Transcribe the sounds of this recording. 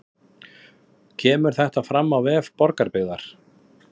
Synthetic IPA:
cʰɛːmʏɾ̥θɛht̪afɾamːawvɛːvpɔɾkaɾpɪɣðaɾ̥

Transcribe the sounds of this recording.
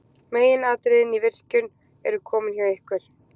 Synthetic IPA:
meːjɪnaːt̪ɾɪðɪnivɪr̥cʏn | ɛ̰ɾʏkʰɔːmɪnçjawɪhkvɛɾ̥

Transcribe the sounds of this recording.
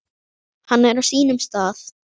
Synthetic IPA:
hanːɛɾawsiːnʏmst̪aːθ

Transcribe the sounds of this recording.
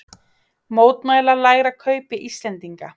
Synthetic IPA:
moːwt̪majlalaːjɣɾakʰœɥpɪʔist̪lɛnt̪iŋka

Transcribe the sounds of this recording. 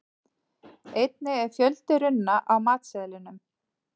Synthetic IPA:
ejt̪̚nɪɛɾ̥fjœlt̪ɪɾʏnːaʔawmaːt̪sɛlɪnʏm

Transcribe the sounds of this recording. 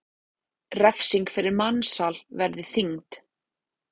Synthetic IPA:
rɛfsiŋkfɪɾɪɾmanːsalvɛɾðɪθiŋt̪

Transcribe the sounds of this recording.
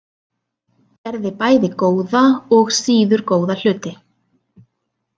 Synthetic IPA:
ɛɾðɪpaːjðɪkoːwðaɔɣsiːðʏɾ̥koːwðal̥ʏːt̪ɪ

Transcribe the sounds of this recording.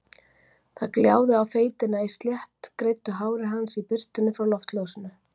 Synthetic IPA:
θaðkljaːwðɪawfeːjt̪ɪnːaist̪ljɛht̪kɾejt̪ːʏɦaːwɾɪɦansipɪr̥t̪ʏnːʏfɾawlɔft̪loːwsɪnʏ

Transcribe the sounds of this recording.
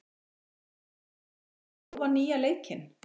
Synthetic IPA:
vaɾniːjaleːjcɪn

